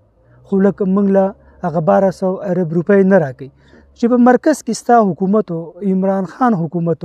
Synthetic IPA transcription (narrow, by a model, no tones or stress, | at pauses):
xoləkamuŋɡla | haɣabɑɾasawaɾabɾupajnaɾɑkəj | t͡ʃepəmaɾkazkest̪ɑɦʊkumat̪oɪmɾɑnxɑnɦʊkumat̪o